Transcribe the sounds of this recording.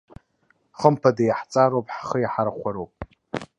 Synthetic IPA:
χəmpʰadajaħt͡sʼaɾowpʼħχəjaħaɾaχʷaɾowpʼ

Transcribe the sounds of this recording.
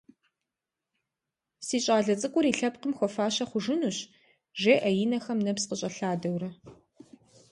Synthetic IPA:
siːɕʼaːɮɐt͡sʼɨkʷʼʊɾiːɬɐp̚qəmxʷɔfaːɕɐχʷʊʒɨnuːɕ | ʒeːʔɐjɪnɐxɐmnɐpsqəɕʼɐɬaːdɐwrɐ

